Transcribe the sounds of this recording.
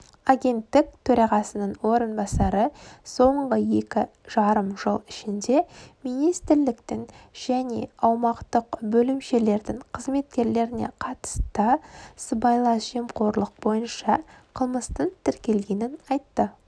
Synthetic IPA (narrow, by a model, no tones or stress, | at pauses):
aɡʲe̞nt̪ːɪk̚t̪ʰɵɾɑʁɑsənəɴwo̞ɾənbɑsɑɾəso̞ɴʁəje̞kʲɪ | ʒ̥ɑɾəmʒəlˠɪʃɪnd̪e̞mijnijst̪ɪɾlɪkt̪ɪŋʒ̥æne̞̰ɑwmɑqt̪əqbɵlɪmʃe̞le̞ɾd̪ɪŋqʰəzme̞t̪̚kʲe̞ɾle̞ɾɪne̞̰qʰɑt̪ə̥st̪əsəbɑjlˠɑsʒ̥e̞mqʰo̞ɾlˠəq̚b̥o̞jənʃɑqʰəlˠməst̪ənt̪ʰɪɾkʲe̞lɡʲe̞nɪnɑjt̪ːə